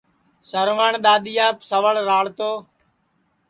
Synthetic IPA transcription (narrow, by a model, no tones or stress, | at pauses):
səɾʋaːɳɗ̪aːɗ̪ijaːpsəʋəɭɾaːɭt̪oː